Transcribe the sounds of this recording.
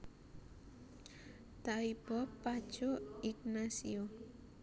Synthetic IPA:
t̪aib̥ɔpːad̥ʒ̥oiɡnasio

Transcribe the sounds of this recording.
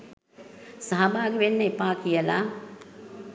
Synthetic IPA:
saɦabaːɡeʋenːəepaːkijəla

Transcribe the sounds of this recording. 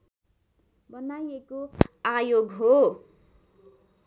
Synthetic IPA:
bʌnajekoajoɡɦo

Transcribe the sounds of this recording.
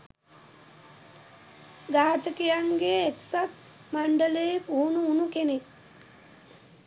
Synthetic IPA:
ɡaːt̪əkijaŋɡeːk̪sat̪̚ | maɳɖələːpuunuunukenek̚

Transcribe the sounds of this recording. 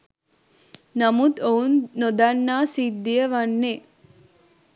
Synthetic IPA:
nɐmut̪ownnɔd̪anːaːsid̪ijɐʋanːe

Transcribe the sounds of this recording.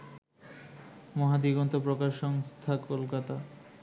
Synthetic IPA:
mɔɦad̪iɡɔnt̪opɾokaʃɔŋst̪ʰakolkat̪a

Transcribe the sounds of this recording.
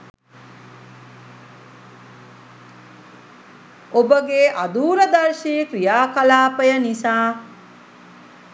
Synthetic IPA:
obəɡeːʔad̪uːɾəd̪ɐrʃiːkɾijaːkalaːpəjənisaː

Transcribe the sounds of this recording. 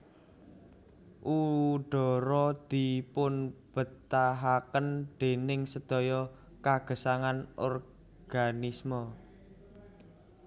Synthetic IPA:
ʔuɖ̥ɔ̤ɾɔd̪̥i̤pʊnb̥ə̤t̪aɦakənd̪̥e̤nɪŋsəd̪̥ɔ̤jɔ | kaɡ̥ə̤saŋanʔɔr | ɡ̥anismə

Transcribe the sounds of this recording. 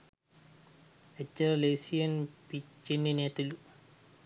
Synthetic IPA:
et͡ʃːɐɾɐleːsijɐnpit͡ʃːenːineːt̪ɐlu

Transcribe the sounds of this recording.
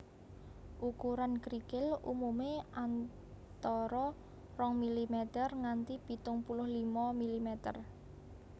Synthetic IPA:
ʔukuɾankɾikɪlṵmumeʔan | t̪ɔɾɔ | rɔŋmilimɛt̪ərŋant̪ipi̤t̪ʊŋpulʊhlimɔmilimɛt̪ə̰r

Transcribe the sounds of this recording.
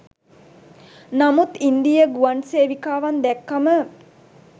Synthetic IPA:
namut̪ind̪ijəɡuanseːʋikaːʋand̪ɛkːamə

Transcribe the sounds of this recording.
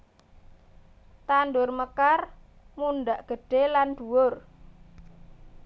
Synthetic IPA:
t̪andʊrməkar | munɖaʔɡ̥ə̤ɖ̥eland̥̪uwʊr

